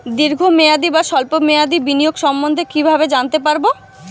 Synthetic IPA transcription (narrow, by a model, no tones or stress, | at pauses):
d̪iɾɡʱomead̪ibaʃɔlpomead̪ibinijoɡʃɔmbond̪ʱekibʱabed͡ʑant̪epaɾbo